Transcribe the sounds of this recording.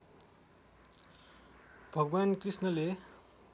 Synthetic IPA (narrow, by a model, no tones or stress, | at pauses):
bʱʌɡwankrisnʌle